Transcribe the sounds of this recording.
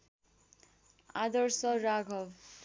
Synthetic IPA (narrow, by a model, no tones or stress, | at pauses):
ad̪ʌɾsʌɾaɡʱʌw